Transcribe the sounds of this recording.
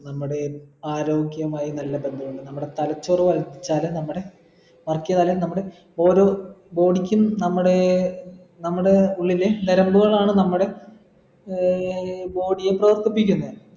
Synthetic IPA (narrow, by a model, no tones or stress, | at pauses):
nɐmːuɽe̞aːɾo̞ːɡjɐmaːjinɐlːɐbe̞nd̪ʱumuɳɖɨnɐmːuɽe̞t̪ɐlɐt͡ɕːoruʋɐld̪it͡ɕːaːlenɐmːuɽe̞ | mɐrkːijɐðaːlenɐmːuɽe̞ | o̞ːɾo̞ːbo̞ːɽikʲːumnɐmːuɽe̞ | nɐmːuɽe̞uɭːileneɾɐmbuɣɐɭaːɳɨnɐmːuɽe̞ | bo̞ːɽijeprɐʋɐrt̪ipːikʲːunːɐð